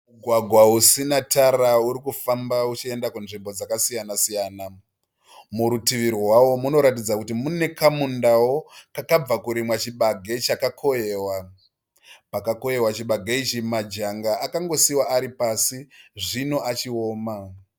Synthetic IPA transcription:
muɡʱwaɡʱwausinatʰarauɾikufambaut͡ʃie̞ndakunʐimbo̞d͡zakasijanasijaːna | muɾutiʋirwawo̞muno̞ɾatid͡zakut̬imune̞kamundawo̞kakab͡vakuɾimwat͡ʃiɓaɡʱe̞t͡ʃakakʰo̞jeːwa | pakako̞je̞wat͡ʃiɓaɡʱeit͡ʃimad͡ʒaŋɡaʔːkaŋɡo̞siwaʔːɾipasiʐino̞ʔat͡ʃio̞ːma

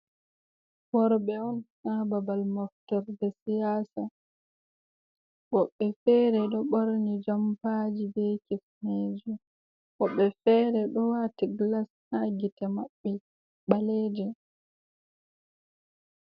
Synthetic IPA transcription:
ɓɔɾɓɛɔnhababalmaftɔɾbɛsijaːsa | ɓɔɓːɛfɛɾɛɗɔɓɔɾnid͡ʒampad͡ʒibɛkifneːd͡ʒɛ | ɓɔɓːɛfɛɾɛɗɔwatiɡlashaɡitɛmaɓːɛ | ɓaleːd͡ʒɛ

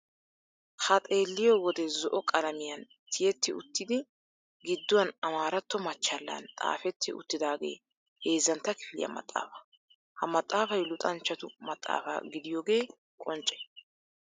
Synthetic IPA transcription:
hɐt̪ʼe̞ːlːɪjowɔd̪ɛzɔʔɔkʼɐlɐmɪjɐn | t̪ʰɪjɛt̪ːɪʊt̪ːɪd̪ɪ | ɡɪd̪ːʊwɐnɐmaːɾɐt̪ːɔmɐt͡ʃːɐlːɐ̰nt̪ʼa̰ːfɛt̪ːɪʊ̰t̪ːɪd̪aːɡe̞̰ː | he̞ːzːɐnt̪ːɐkɪ̥fɪlɪ̰jɐ̰mɐ̰t̪ʼːa̰ːfɐ̥ | hɐmɐt̪ʼːaːfɐjlʊt̪ʼɐnt͡ʃːɐt̪ʊmɐt̪ʼːa̰ːfɐ̰ɡɪd̪ɪjoːɡe̞ː | kʼɔnt͡ʃʼɛ̥

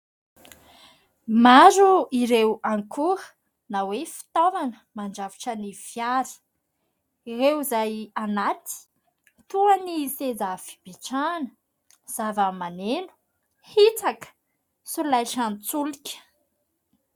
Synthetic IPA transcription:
maɾuiɾewaŋkʰuɾə | nawefi̥t̪ovanəmand͡ʒaviʈ͡ʂəniv̥jaɾi̥ | rewzajanat̪i̥ | t̪uanisezafi̥b̥iʈ͡ʂanə | z̥avəmanenu̥ | hit͡sakə̥ | sulajʈ͡ʂant͡sulikʲə̥

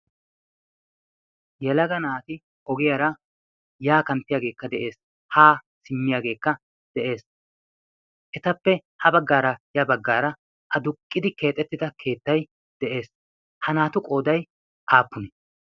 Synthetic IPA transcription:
jɛlɐɡɐnaːt̪ɪ | ɔɡɪjɐɾɐ | jaːkɐnt̪ːɪjaːɡe̞ːkːɐd̪ɛʔe̞ːs | haː | sɪmːɪjaːɡe̞ːkːɐ | d̪̥ɛʔe̞ːs | ʔɛt̪ɐpːɛ | hɐbɐɡːaːɾɐjɐbɐɡːaːɾɐ | ʔɐd̪ʊkʼːɪd̪ɪke̞ːt̪ʼːɛt̪ːɪd̪ɐkʰe̞ːt̪ːɐj | d̪̥ɛʔe̞ːs | hɐnaːt̪ʊkʼo̞ːd̪ɐj | ʔaːpːʊnɛ

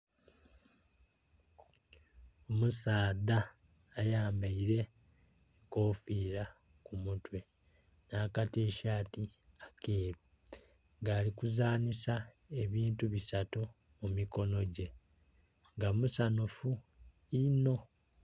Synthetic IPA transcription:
o̞musaːdaː | jaːmbaiɾe̞ | koːfiːɾa | kumutwe̞ | naːkate̞ːʃaːti | akʰeːβi | ŋɡaːlikuzaːnisa | e̞βiːntuβisato | mumiko̞no̞ɟe̞ | ŋɡamusanufu | ino̞

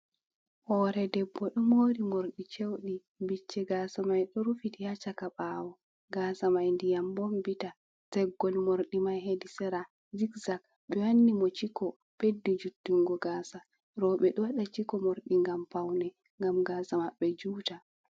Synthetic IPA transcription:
hɔɾɛdɛbːɔɗɔmoːɾimoɾɗit͡ʃewɗi | bit͡ʃːɛɡaːsamajɗɔɾufitihat͡ʃakaɓaːwɔ | ɡaːsamajndijambɔmbita | sɛɡːɔlmoɾɗimajɦedisɛɾa | zikzak̚ | ɓɛwanːimɔt͡ʃikɔ | pedːud͡ʒutːuŋɡɔɡaːsa | ɾɔɓɛɗɔwaɗat͡ʃikɔmoɾɗiŋɡampawnɛ | ŋɡamɡaːsamaɓːɛd͡ʒuːta

